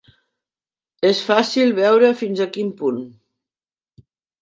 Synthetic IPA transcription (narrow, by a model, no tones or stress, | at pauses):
esfasilˠβɛwɾəfinzəkimpun